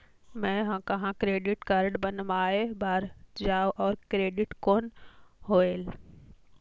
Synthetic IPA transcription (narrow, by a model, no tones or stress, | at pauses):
mɛ̃ːɦãːkɐɦãkɾeːɖɪʈkaːɾɖbɐnmaːɦebaːɾd͡ʑaːoʔɔːɾkɾeːɖɪʈkoːnɦoːeːl